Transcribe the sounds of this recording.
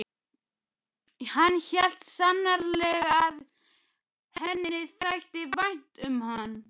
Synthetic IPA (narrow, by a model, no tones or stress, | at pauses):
hanːçɛl̥t̪sanːaɾlɛɣað | hɛnːɪθajht̪ɪvajn̥t̪ʏmhanː